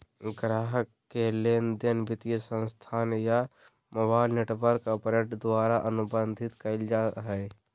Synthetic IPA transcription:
ɡɾaːɦəkːeleːnd̪ɪnbɪt̪ijəsə̃nst̪ʰaːnja | mobaːɪlneːʈʋəɾkːapɾəʈd̪waːɾaʔənʊbə̃nd̪ʱɪt̪kəld͡ʒaɦɛː

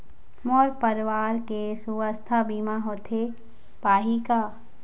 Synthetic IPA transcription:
mɔːɾpəɾʋaːɾkesuwəst̪ʰabiːmaɦoːt̪ʰe | paːɦikaː

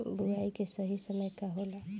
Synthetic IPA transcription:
buɾaːikesəɦisəməjkaɦola

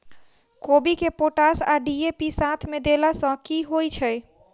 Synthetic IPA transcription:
kobikepoʈasaɖiepisat̪ʰmed̪elasə̃kiɦojt͡ʃʰəj

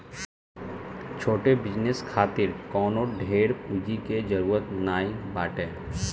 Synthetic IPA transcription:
t͡ʃʰoːʈebɪd͡ʒneskʰaːt̪ɪɾkɔːnoɖʱeːɽpuːd͡ʒiked͡ʒəɾuːɾət̪naːibaːʈeː

